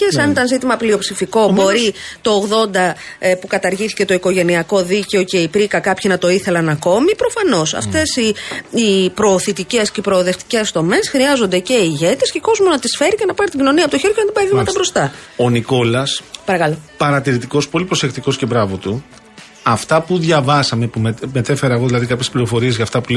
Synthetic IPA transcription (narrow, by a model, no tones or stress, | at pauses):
esɐnit̪ɐnzit̪imɐplio̞psifiko̞bo̞ɾit̪o̞ːɣðo̞nd̪ɐ | pukɐt̪ɐɾʝiθice̞t̪o̞iko̞ʝe̞niɐko̞ðice̞o̞ce̞ipɾikɐkɐpçinɐt̪o̞iθelɐnɐko̞mipɾo̞fɐno̞sɐ̰ft̪e̞siipɾo̞ːθit̪ice̞sceipɾo̞ːðext̪i̥ce̞sðo̞me̞sxɾiɐzo̞nd̪e̞ce̞iʝe̞t̪e̞sceko̞zmonɐt̪isfe̞ɾice̞nɐpɐɾit̪iɟino̞niɐpot̪oçe̞ɾʝonɐnt̪ibɐiðimɐt̪ɐbɾo̞st̪ɐo̞niko̞lɐspɐɾɐkɐlopɐɾɐt̪iɾit̪iko̞spo̞lipɾo̞sekt̪iko̞sce̞bɾɐvo̞t̪u | ɐft̪ɐpuðʝɐvɐsɐme̞pumemet̪efeɾɐeɣo̞ðilɐðikɐpçespliɾo̞fo̞ɾiezʝɐft̪ɐpu